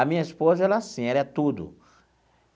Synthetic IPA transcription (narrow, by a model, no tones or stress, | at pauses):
ɐmĩɲɐispozɐɛlɐasĩɛlɛt̪ud̪ʊ̰